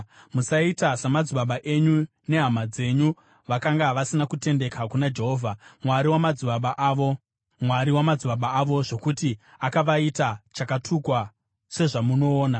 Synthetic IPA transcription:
musaitasamad͡zuɓaɓaʔe̞ɲu | ne̞ɦamad͡ze̞ɲu | ʋakaŋɡaʋasinakute̞nde̞kʰakunad͡ʒe̞ɦo̞ːvʱamwaɾiwamad͡zuɓaɓaʔʋo̞ | mwaɾiwamad͡zuɓaɓaːʋo̞ʐo̞kutiakaʋaitat͡ʃakatʰukwa | se̞ʐamuno̞ːna

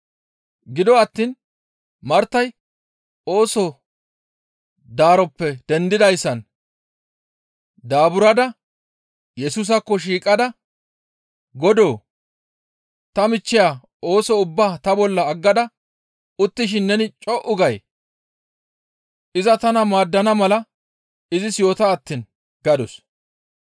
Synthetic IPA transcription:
ɡɪd̪ɔɐt̪ːiːn | mɐɾt̪ːɐj | o̞ːsɔ | d̪aːɾɔpːɛd̪̥ɛnd̪ɪd̪ɐjsːɐn | d̪aːbʊɾɐd̪ɐ | jɛsuːs̬ɐkːɔʃ̬iːkʼɐd̪ɐ | ɡɔd̪o̞ː | t̪ɐmɪt͡ʃːɪjaː | o̞ːsɔʊbːaːt̪ɐbɔlːɐːɡːɐd̪ɐ | ʊt̪ːɪʃ̬ɪnːɛnɪt͡ʃʼɔʔʊɡɐj | ʔɪzɐt̪ɐnɐmaːd̪ːɐnɐmɐlɐ | ɪzɪsjo̞ːt̪aːt̪ːiːn | ɡ̥ɐd̪ɔs

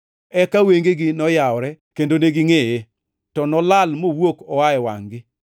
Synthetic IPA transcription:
ɛkaweŋɡeɡɪnɔjaɔɾɛkendoneɡɪŋeje | tɔnɔlalmowokɔwaɛwa̰ŋɡɪ

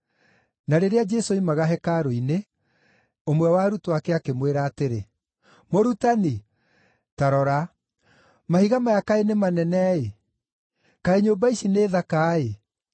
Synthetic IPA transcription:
naɾeɾead͡ʒɛsoimaɣaɦɛkaɾoine | omwɛwaɾutoakɛakemweɾaːteɾe | moɾutani | taɾɔɾa | mahiɣamajakaenemanɛnɛe | kaeɲoːmbaiʃineːðakaːe

